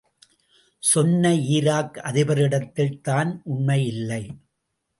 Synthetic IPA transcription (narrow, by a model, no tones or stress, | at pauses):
sɔnːɐiːɾaːkɐðɪʋɐɾɪɽɐt̪ːɪlt̪aːnʔʊɳmɐɪjɪlːɐɪ